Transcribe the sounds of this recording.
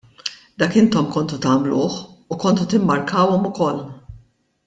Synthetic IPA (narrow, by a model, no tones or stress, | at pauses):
d̪ɐːkɪnt̪ɔmkɔnt̪ut̪ɐːmlʊːħukɔnt̪ut̪ɪmːɐɾkɐːwɔmʊkɔlː